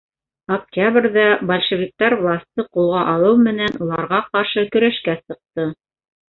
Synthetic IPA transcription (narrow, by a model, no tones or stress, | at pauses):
ɐk̚tʲabrʲðæbɐlʲʃɘ̆vʲik̚t̪ɑɾvlˠasʲt̪ɤqulˠʁɑʔɑlˠɤwmɘ̆nænulˠɑɾʁɑqɑɾʃɤkɵ̆ɾæʃkæsɤ̆q̚t̪ɤ